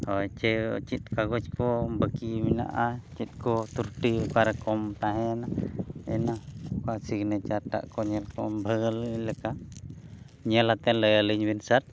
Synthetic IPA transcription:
ɔjt͡ʃə̰t͡ʃit̪̚kaɡɔt͡ʃkɔbakimina̰ʔat͡ʃit̪̚kɔt̪uɾʈikaɾakɔmt̪aɦɛnaɛnakasiknɛt͡ʃat̪a̰ʔkɔɲɛlkɔmbʱəɡəlləka | ɲəlat̪ɛnləjaləɲwinsat̪̚

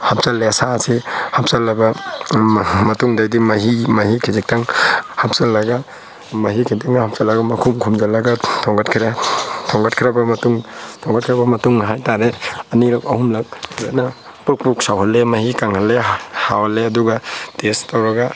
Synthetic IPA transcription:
hap̚salːeɐsasihap̚salːabɐ | mɐtuŋdajdimɐɦimɐhikʰizik̚taŋhap̚salːaɡa | mɐɦikʰitiŋahap̚salːaɡamɐkʰumkʰumzalːɐɡatʰɔŋɡatkʰiɾatʰɔŋɡat̚kʰiɾabɐmɐtuŋtʰɔŋɡat̚kʰiɾabɐmɐtuŋɦajtaɾeɐniɾakɐhumlak̚zana | puk̚puk̚sawɦalːemɐhikaŋhalːehawalːeɐduɡatestawɾɐɡa

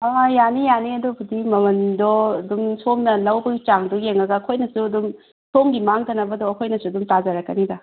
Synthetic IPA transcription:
aajanijaniɐdɔpʰudimɐmɐndɔɐdumsomnɐlɐwbɐɡit͡ʃaŋdɔjeŋɐɡɐːkʰojnɐsuɐdum | somɡimaŋtɐnɐbɐdɔɐkʰojnɐsuɐdumtazaɾɐkːɐnibɐ

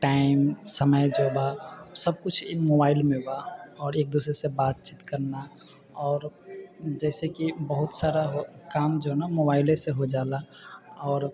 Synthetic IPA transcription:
ʈaːɪmsəməjd͡ʒoːbasəb̚kʊt͡ʃʰmobaːɪlmẽbaɔːɾeːk̚d̪uːsɾesebaːt̪̚t͡ʃit̪kəɾna | ɔːɾ | d͡ʒɛːsekibəɦʊt̪saːɾaɦokaːmd͡ʒonamobaːɪlẽseɦod͡ʒaːla | ɔːɾ

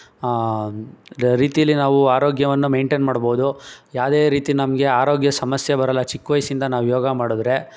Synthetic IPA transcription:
ɾiːt̪ijɐlːinaːʋuaːɾoːɡjɐʋɐnːume̞ːɳʈenmaːɽboːud̪ujaːʋd̪e̞ːɾiːt̪inɐmɐɡe̞aːɾo̞ːɡjɐsɐmɐsjɐbɐɾɐlːɐt͡ʃikːʋɐjsind̪ɐnaːʋujoːɡɐmaːɽud̪ɾe̞

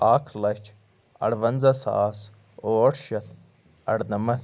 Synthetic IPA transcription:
aːkʰlɐt͡ʃʰ | ɐ̰ɽʋɐnzɐsa̰ːs | oːʈʰʃɐt̪ʰ | ɐ̰ɽnɐmɐ

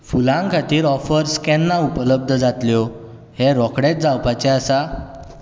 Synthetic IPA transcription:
fulãŋkʰat̪iːɾɔfəɾskɛnːaupələb̚d̪ʱəd͡zat̪ljɔ | heɾɔkɽet̪̚d͡zawpat͡ɕɛasa

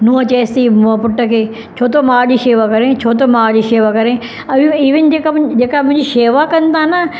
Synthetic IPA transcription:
nũːə̃t͡ʃeːst̪impʊʈːəkeː | t͡ʃʰoːt̪omaːd͡ʒiːʃeːʋakɐɾẽt͡ʃʰoːt̪omaːd͡ʒiːʃeːʋakɐɾẽ | ɐʋiiːʋɪnd͡ʒeːkad͡ʒeːkamʊ̃ɪ̃ɲd͡ʒiʃeːʋakɐnt̪ãna

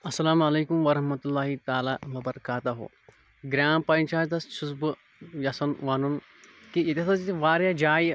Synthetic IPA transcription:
ɐsːɐlaːmɐleːkumʋɐɾɐɦmɐt̪ulːaːɦit̪aːlaːʋɐbɐɾɐkaːt̪ɐɦo̰ː | ɡɾʲaːmpɐint͡ʃaːjt̪ɐst͡ʃʰusbɨ | jɐsɐnʋaːnun | kijɐt̪ʲɐsɐd͡ʒiʋaːɾjad͡ʒaːj

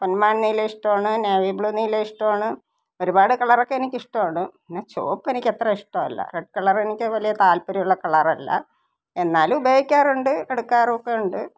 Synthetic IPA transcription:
ponmaːnnijleiʂʈoaɳɨneːʋibɭuːniːleiʂʈɐaːɳɨ | o̞ɾubaːɽɨkɐɭɐro̞kːeenikʲːiʂʈɐmːɳɨinːet͡ɕo̞̰ːpːenikʲːe̞t̪rɐiʂʈɐːɐ̰lːɐ̰reɖ̚kɐɭɐrenikʲːɨʋɐlijɐt̪aːlpuɾɐjuɭːɐkɐɭɐrɐlːɐ̰ | e̞nːaːlubejikʲːaːruɳɖɨeɽukːaːrokːeuɳɖɨ

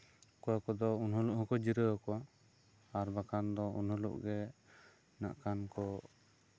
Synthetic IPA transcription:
kɔwakɔd̪ɔunɦɔluʔ̚hɔkɔd͡ʒiɾəɔkɔwa | aɾbakand̪ɔṵnhɔlṵʔɡɛ | na̰ʔkankɔ

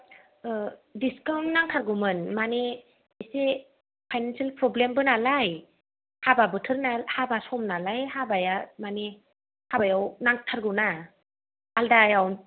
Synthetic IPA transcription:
diskawnnaŋtʰaɾɡɯwmɯnmane | ise | pʰajnansialpɾɔblembɯnalaj | hababɯtʰɯɾnalhabasɔmnalajhabajamane | habajawnaŋtʰaɾɡɯwna | aldajaw

